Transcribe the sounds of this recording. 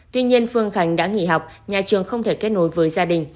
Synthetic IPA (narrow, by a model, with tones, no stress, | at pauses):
t̪wi˧ɲi˧ənfɨ˧əŋxa˨˦jŋ̟ɗa̰ː˧˥ŋḭ˧˨ɦa˨˩wk͡p̚ɲaː˨˩t͡ɕɨ˨˩əŋxə˧wŋ͡mt̪ʰe˧˩ke˦˥t̚no˨˦jvəː˨˦jzaː˧ɗï˨˩ŋ̟